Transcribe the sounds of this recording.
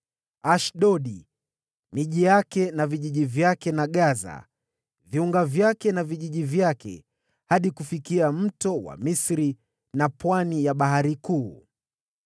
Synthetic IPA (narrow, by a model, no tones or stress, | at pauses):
aʃɗɔɗi | miʄijakɛnaviʄiʄivjakɛnaɠaza̰ | viuŋɡavjakɛnaviʄiʄivjakɛ̰ | haɗikufikiam̩tɔwa̰misɾi | napwanijaɓaɦaɾikuː